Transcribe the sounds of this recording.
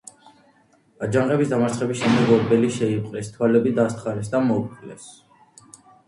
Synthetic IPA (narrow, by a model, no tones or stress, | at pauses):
ad͡ʒaŋʁɛbisd̪amaɾt̪sʰχɛbisʃɛmd̪ɛɡɔɾbɛliʃɛipqʼlɛst̪ʰwalɛbid̪ast̪ʰχaɾɛsd̪amɔuplɛs